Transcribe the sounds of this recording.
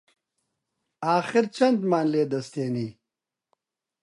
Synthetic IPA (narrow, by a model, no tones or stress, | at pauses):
aːxɪɾt͡ʃɐnd̪maːnleːd̪ɐst̪eːniː